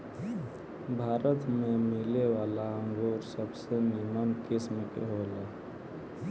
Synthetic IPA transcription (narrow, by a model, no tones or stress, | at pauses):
bʱaɾət̪memileʋalaə̃ŋɡoɾsəbsenimənkismkḛɦolɛ